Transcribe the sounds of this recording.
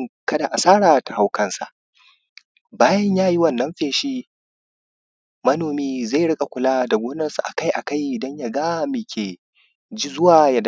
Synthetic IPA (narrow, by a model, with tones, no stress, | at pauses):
kɐ˦da˨ʔa˨saː˦ɽaː˨ta˨ha˨wkɐ˦nsa̰˨ʔ | baː˦jɐ˦ɲjaː˦ji˦wɐ˦˨nːɐ˦mɸeː˨ʃi˦ | mɐ˦noː˨miː˦za˦˨ɽɪ˦kʼa˨kʷʊ˨laː˦da˨ɡʷoː˦nɐ˦nsu˨ʔa̰˨ka˦jʔa̰˨ka˦jʔɪ˨dɐ˦ɲja˦˨ɡaː˦˨mɪ˨kʲʰeː˨ | d͡ʒi˦zʊ˦waː˨ja˨d